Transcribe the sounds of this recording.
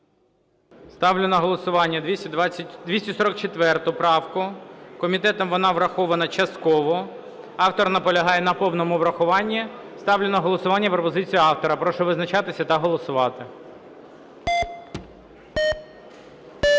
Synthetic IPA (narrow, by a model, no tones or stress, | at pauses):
st̪ɑwlʲʊnɐɦɔlˠɔsʊʋɑnʲːɐd̪ʋʲd̪ʋʲisʲtʲɐsɔɾɔk̚t͡ʃet̪ʋɛrt̪ʊpɾɑwkʊkɔmʲit̪ɛt̪ɔmʋɔnɑʋɾɐxɔʋɐnɐt͡ʃɐst̪kɔʋɔ | ɑwt̪ɔrnɐpɔlʲɐɦɑjɛnɐpɔwnɔmʊʋɾɐxʊʋɑnʲːist̪ɑwlʲʊnɐɦɔlˠɔsʊʋɑnʲːɐpɾɔpɔzɪt͡sʲijʊɑwt̪ɔɾɐpɾɔʃɛʋɪznɐt͡ʃɑt̪ɪsʲɐt̪ɐɦɔlˠɔsʊʋɑt̪ɪ